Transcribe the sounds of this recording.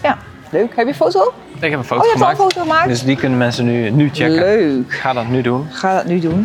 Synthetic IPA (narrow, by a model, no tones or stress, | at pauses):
ja | løɥkhɛpjəfowto | ɪkɛpən̩fowtojɛmaəːkfowtoχəmaːkdəsdikʏnənmɛnsənynyt͡ʃɛlkøːkχaːdɔtnydunχaːdɔtnydun